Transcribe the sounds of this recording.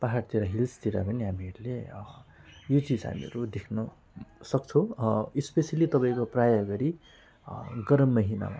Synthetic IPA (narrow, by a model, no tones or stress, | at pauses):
paɦaɽt̪iɾaɦilst̪iɾa̰bʱʌniɦamiɦeɾle | jot͡sid͡zɦa̰mḭʌ̰ɾud̪ekʰnʌ | sʌkt͡sʰʌ̃ispesjʌlit̪ʌpaĩkoprajaɡʌɾi | ɡʌɾʌmːʌɦina̰ma̰